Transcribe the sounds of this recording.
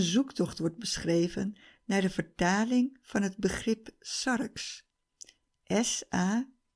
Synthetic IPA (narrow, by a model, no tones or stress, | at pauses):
nzuktɔχtʋɔɹt̚bəsχrejvənːaːɹdəv̥əɹtaːlɪŋv̥ɑnɦəd̚bəχrɪpsɑrks | ʔɛsaː